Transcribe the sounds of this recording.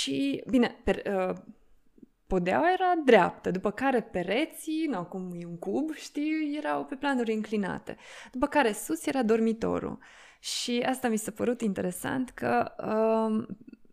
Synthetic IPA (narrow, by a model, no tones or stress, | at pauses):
ʃibine̞peɾə | po̞d̪ea̰wajeɾad̪ɾea̰p̚t̪əd̪upəkaɾe̞pe̞ɾe̞t̪sinawkumjeuŋkubʃt̪iwje̞ɾawpe̞planuɾʲɨŋklina̰t̪e̞̰d̪̥upəkaɾe̞susje̞ɾad̪o̞rmit̪o̞̰ɾṵ | ʃiast̪amisapəɾut̪int̪e̞ɾe̞sa̰nt̪kʰəə